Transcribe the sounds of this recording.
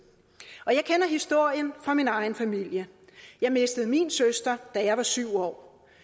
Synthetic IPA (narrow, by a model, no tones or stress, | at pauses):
ɒ̽jɑ̈ɪkʰenɐɦisd̥o̝ɐ̰jənfʁɑ̈minɑ̈ɪn̩fæmil̰jə | jɑ̈ɪme̝sd̥əð̞̩ˠminsøsd̥ɐd̥æjɑ̈ɪʋɑ̈syʊ̰ɒ̰ː